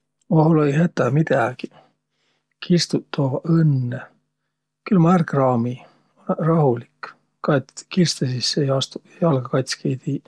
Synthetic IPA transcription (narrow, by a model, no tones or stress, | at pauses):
oɦulejhæt̪ˑːæmid̪̥æɡ̥i | kʰist̪ut̪ʰːoːvɑʔɤnːe | kylmɑærkrɑːmi | rɑhulik | kɑt̪kirst̪esisːejɑst̪u | jɑlɡɑkɑjt̪ʲskʰejt̪i